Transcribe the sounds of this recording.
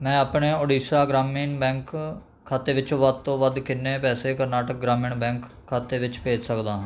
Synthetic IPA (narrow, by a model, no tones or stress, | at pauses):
mɛ̃ːaːpɳeːoːɖiːsaːɡɾaːmiːnbɛ̃ːŋkʰː | aːt̪eːʋɪt͡ʃõːʋəd̪̚t̪õːʋəd̪kɪnːeːpɛːseːkəɾnaːʈək̚ɡɾaːmɪːɳbɛ̃ːŋkʰːaːt̪eːʋɪt͡ʃpeːd͡ʒsəkd̪aːɦãː